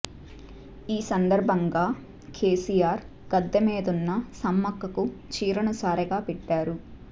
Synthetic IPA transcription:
iːsɐnd̪ɐɾbʱɐŋɡaː | kʰeːsijaːɾ | ɡ̥ɐd̪ːɐmeːd̪unːɐsɐmːɐkːɐkut͡ʃiːɾɐɳɐsaːɾɐɡaːpɛʈːaːɾu

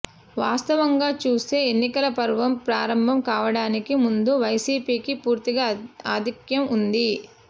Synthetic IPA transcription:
ʋaːst̪ɐʋɐŋɡaːt͡ʃuːst̪eːenːikɐlɐpɐɾʋɐmpɾaːɾɐmbʱɐmkaːʋɐɽaːnikimund̪uʋɐjsiːpiːkipuːɾt̪iɡaaːd̪ʱikjɐmund̪i

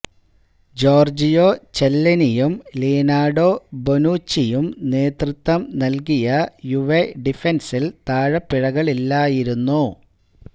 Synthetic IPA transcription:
d͡ʑo̞ːrd͡ʑijoːt͡ɕelːɐnijumliːnaːɖoːbonuːt͡ɕːijumne̞ːt̪rut̪ʋɐmnɐlkijɐjuʋeɖifensilt̪aːɻɐpːiɻɐɣɐɭilːaːjiɾunːu

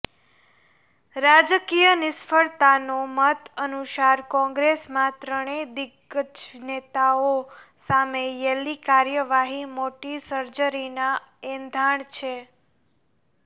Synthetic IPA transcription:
ɾad͡ʒəkijənɪsfəɭt̪anomət̪ənuʃaɾkɔ̃ŋɡɾesmãt̪ɾəɳ̃ed̪ɪɡəd͡ʒnet̪ao | samejɛlːikaɾjəʋaɦimoʈisəɾd͡ʒəɾinaend̪ʱaɳt͡ʃʰe

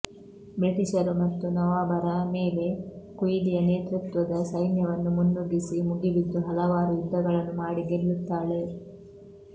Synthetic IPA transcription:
bɾiʈiʃɐɾumɐt̪ːunɐʋaːbɐɾɐmeːle̞kujid̪ijɐneːt̪ɾut̪ʋɐd̪ɐsɐjnjɐʋɐnːumunːuɡisimuɡibid̪ːuɦɐlɐʋaːɾuid̪d̪ɐɡɐɭɐnːumaːɽiɡelːut̪ːaːɭe̞

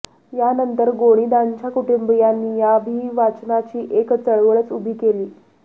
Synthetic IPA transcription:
janənt̪əɾɡoɽ̃id̪aɲt͡ɕjakuʈəmbijanːiːjabʱiːʋat͡ɕnat͡ɕiːʔekt͡səɭʋəɭət͡subʱiːkeliː

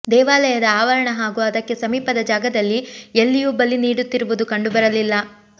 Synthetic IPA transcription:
d̪ɛːʋaːlɐjɐd̪ɐaːʋɐɾɐɳɐɦaːɡuːɐd̪ɐkːe̞sɐmiːpɐd̪ɐd͡ʒaːɡɐd̪ɐlːielːijubɐlːiniːɽut̪ːiɾuʋud̪ukɐɳɖubɐɾɐlilːɐ

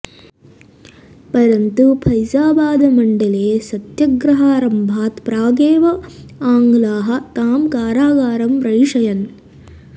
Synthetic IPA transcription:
pɐɾɐnt̪upʰɐjsaːbaːd̪ɐmɐɳɖɐleːsɐt̪jɐɡɾɐɦaːɾɐmbʱaːt̪pɾaːɡeːʋɐaːŋɡlaːɦɐ̆t̪aːmkaːɾaːɡaːɾɐmpɾɐjiʂɐjɐn

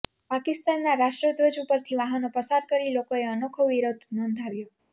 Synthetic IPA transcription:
pakɪst̪anːaɾaʃʈɾəd̪ʋəd͡ʒupəɾt̪ʰiʋaɦənopəsaɾkəɾilokoeənokʰoʋiɾod̪ʱnɔnd̪ʱaʋjo

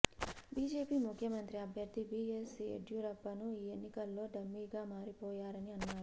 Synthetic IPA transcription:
biːd͡ʒe̞ːpiːmukʰjɐmɐnt̪ɾiɐbʱjɐɾd̪ʱibiːesiḛʈjuːɾɐpːɐnuiːenːikɐlːo̞ːɖɐmːiːɡaːmaːɾipɔːjaːɾɐniɐnːaːɾu

